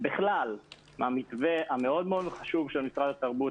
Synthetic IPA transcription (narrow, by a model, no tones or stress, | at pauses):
biχlal | mamikveʔameo̞d̪meod̪χaʃuvʃelmisʁad̪at̪aʁbu